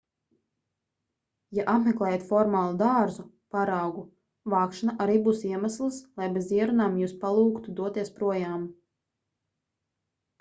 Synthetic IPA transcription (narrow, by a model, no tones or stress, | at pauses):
jaʔapmeklˠɛːjat̪fɔɾmaːlˠud̪aɾzu | paɾawɡu | vɑːkʃanaʔaɾiːbuːsiɛmaslˠɨslˠajbeziɛɾunaːmjuːspalˠuːkt̪ud̪uɔt̪iɛspɾuɔjaːm